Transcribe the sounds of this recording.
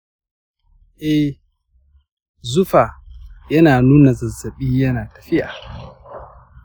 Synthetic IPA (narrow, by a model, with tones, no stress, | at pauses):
ʔɛ˦ | zʊ˦fa˨jɐ˦naː˨nuː˦na˨zɐ˨zːɐ˨ɓiː˦jɐ˦naː˨tɐ̥˨fɪ˦ʔa̰˨